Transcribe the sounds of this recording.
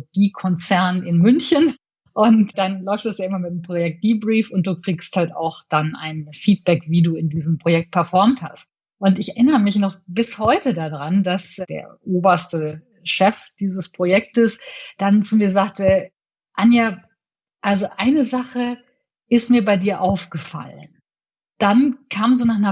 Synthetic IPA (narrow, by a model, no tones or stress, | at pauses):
ɡ̥iːkʰɔnt͡sɛɐnɪnmʏnçən | ʔʊntd̥anlɔʏftd̥ɛsjaːʔɪmɐmɪt̚mpʁ̥ojɛk̚t̚ɡ̥iːbʁiːfʊnt̚d̥uːkʁ̥iːksthalta̰ʊxd̥ana̰ɪnfiːt̚b̥ɛkv̥iːduːɪndiːzəm̩pʁ̥ojɛk̚t̚pʰɛɐfɔɐmtha̰st | ʔʊntɪçɛɐʔɪnəʁəmɪçnɔχbɪshɔʏtədadʁandasd̥ḛːɐʔoːbɐstə | ʃɛfd̥iːzəspʁ̥ojɛk̚təsd̥ant͡sumiːɐzaːk̚tə | ʔanja | ʔalzoʔaɪnəzaχə | ʔɪstmiːɐbaɪdiːɐʔaʊfɡ̥əfa̰lən | d̥ankʰaːmzoːnaːχnɐ